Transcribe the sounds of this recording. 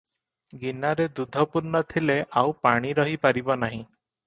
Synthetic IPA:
ɡinaɾed̪ud̪ʱɔpuɾnɔt̪ʰileʔawpaɽ̃iɾɔɦipaɾibɔnaɦĩ

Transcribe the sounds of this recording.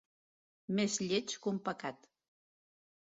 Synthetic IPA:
mezʎet͡ʃkumpəkat̪

